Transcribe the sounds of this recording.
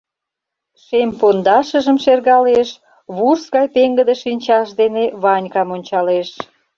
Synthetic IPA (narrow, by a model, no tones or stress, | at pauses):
ʃempond̪ɑʃə̆ʒəmʃerɣɑleʃ | βursɣɑjpeŋɡəd̪eʃinʲt͡ɕɑʃd̪eneβɑnʲkɑmonʲt͡ɕɑleʃ